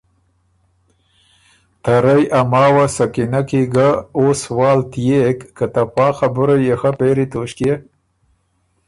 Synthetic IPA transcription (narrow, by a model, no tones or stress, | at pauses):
t̪aɾajʔamɑːwasakinakiɡaoswɑːlt̪jekːat̪apɑːxabʊɾajexapeɾit̪oːʃkje